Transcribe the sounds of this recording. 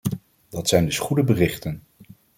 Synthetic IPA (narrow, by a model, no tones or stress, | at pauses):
dɑtsɛjndɵsχudəbərɪχtən